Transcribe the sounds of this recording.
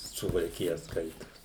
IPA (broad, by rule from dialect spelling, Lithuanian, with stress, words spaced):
sʊʋɐlʲˈkʲɪjɛ ˈskɐɪtoːs